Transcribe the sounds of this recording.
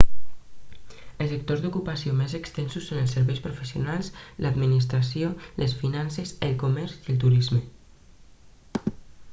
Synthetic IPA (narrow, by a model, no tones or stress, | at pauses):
əlsək̚t̪ozd̪ukupasiomezəkst̪ɛnsusːonəlˠsəɾβɛjspɾufəsiunalˠslad̪minis̬t̪ɾasioləsfinansəzəlˠkumɛɾziəlˠt̪̬uɾizmə